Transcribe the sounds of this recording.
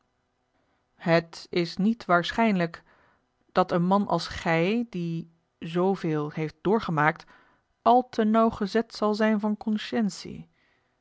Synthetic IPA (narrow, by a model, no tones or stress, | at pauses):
ɦətɪsnitʋaːɹsχɛjnlək | d̥ɑtənmɑnʔɑ̰lˠsχɛjdi | zowvɪːlˠhejft̚d̥ʊːɹχəmaːk̚t | ʔɑlˠtʰənɑwχəzɛtsɑlˠzɛjnvɑnkɔnʃɛnsḭ